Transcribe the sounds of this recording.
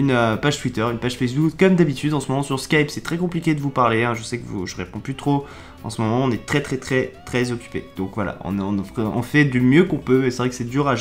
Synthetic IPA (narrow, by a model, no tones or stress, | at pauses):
ynøpaʒt̪wit̪œʁynpaʒ̥fɛs̬bukːɔmd̪abit̪yd̪ɑ̃səmɔmɑ̃syʁskajpsɛt̪χɛkɔ̃plikʲed̪əvupaʁleɛ̃ʒəsɛkəvṵʒəʁepɔ̃pyt̪χo | ɑ̰̃səmɔmɑ̃ɔ̃nɛt̪χɛt̪χɛt̪χɛt̪χɛzɔkʲy̥pḛd̪̥ɔ̃kvwala̰ɔ̰̃nɔ̃nɔ̰̃fɛd̪ymjøkɔ̃pøesɛvʁɛkə̥sɛd̪yːʁaʒ